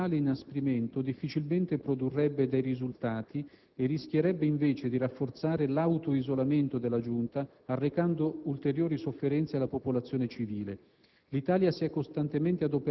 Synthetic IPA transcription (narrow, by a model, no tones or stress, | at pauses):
aːleinaspɾiment̪od̪ifːit͡ʃilment̪epɾod̪urːɛbːed̪ɛjrizult̪aːt̪ʰi | erːisk̟ʲjeɾɛbːeiɱveːt͡ʃed̪irafːort̪saːɾelawt̪oizolament̪od̪elːad͡ʒunt̪aː | rːekand̪oult̪eɾjoːɾisofːeɾɛnt̪sealːapopolat̪sːjoːnet͡ʃiviːle | lit̪aːljasiɛkːost̪ant̪ement̪ead̪ope